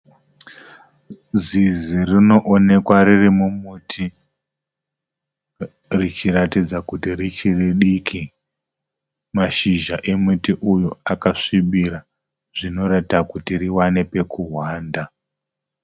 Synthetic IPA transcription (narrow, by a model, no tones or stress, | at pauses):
zizirino̞ʔone̞kwaririmumutʰi | rit͡ʃiɾatid͡zakutirit͡ʃiriɗikʰi | maʃiʒaʔe̞mutiʔujuakaʂiɓiɾa | ʐ̥ino̞ɾatakutiriwane̞pe̞kuɦwaːnda